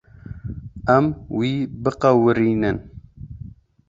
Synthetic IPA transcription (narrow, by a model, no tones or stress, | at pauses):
æmwiːbɨqɛwɨɾiːnɨn